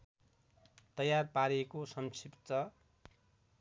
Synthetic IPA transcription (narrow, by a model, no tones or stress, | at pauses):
t̪ʌjarpaɾekosʌmsʰipt͡sʌ